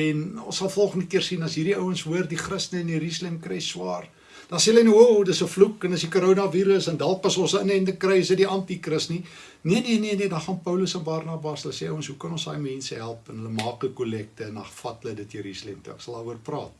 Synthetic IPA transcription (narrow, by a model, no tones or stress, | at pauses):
ɛnɔ̰̃nssɐlˠfɔlˠχəndəkiərsinɐsɦiːɾiəwənsuərdiχrəstnəɛniɾislɛmkrɛjswɑːr | d̥ɑseːələnowowdəsəflukəndəsikuɾonɑviːɾəsəndɑlˠpɐsɔ̃nsəənəɛndəkrɛjsədiʔɐntikrəsni | niəniniənedɑχɐnpəwləsɑnbɑrnɑbɑsələseəwənsɦukɐnɔ̃nsɑ̰ːjmɛnsəɦælˠpənɦələmɑːkəkulɛk̚təənɐfɐtələdətjəɾisləmtuə̰ksɐlˠɐːuərprɑ̰ːt̚